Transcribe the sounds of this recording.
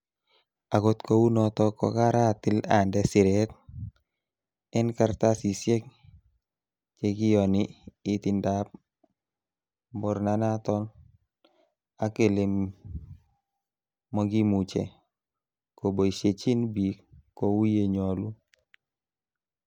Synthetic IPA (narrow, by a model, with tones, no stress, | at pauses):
a˨ɡo˦t̪kʰo˦wu˦nɔ˨t̪ɔ˦kɔ̰˨ka˦ɾa˦tɪ˦la˨ndɛ˦sɪ˨ɾɛt̪ | ɛ˦nka˨ɾt̪a˦si˨sjɛ˦k̚ | t͡ʃe˨ɡi˦jɔ˨niː˨tɪ˨ndap̚ | bɔ˨ɾna˦na˦tɔ˦n | a˦ke˨lɪ˨m | mɔ˦ɡi˦mu˨t͡ʃɛ̰˨ | ko˨bo˨i˨ʃe˨t͡ʃi˦nbi˨kːo˨wu˦je˨ɲɔ˨lu˦